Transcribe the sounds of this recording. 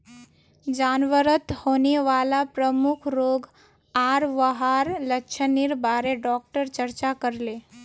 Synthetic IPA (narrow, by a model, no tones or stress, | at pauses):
d͡ʒaːnʋəɾət̪hoːneʋaːlapɾəmʊkʰɾoːɡ | aːɾʋəɦaɾləkːʃʰənɪɾbaːɾeɖɔːk̚ʈəɾt͡ʃəɾt͡ʃakəɾleː